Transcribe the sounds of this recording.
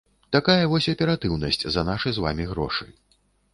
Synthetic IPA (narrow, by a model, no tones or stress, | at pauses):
t̪akajɐvɔsʲɐpʲɛɾat̪ɨwnɐsʲt͡sʲzɐnaʂɨjzva̰mʲiɣɾɔ̰ʂɨj